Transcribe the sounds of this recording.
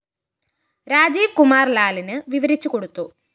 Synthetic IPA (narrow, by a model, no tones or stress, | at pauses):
ɾaːd͡ʑiːʋkumaːrlaːlinɨʋiʋɐɾit͡ɕːuko̞ɽut̪ːu